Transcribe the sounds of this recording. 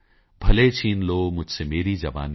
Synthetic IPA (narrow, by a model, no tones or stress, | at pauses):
bʱɐlet͡ɕʰiːnloːmʊd͡ʒʱsemeːɾid͡ʑɐʋa̰ːn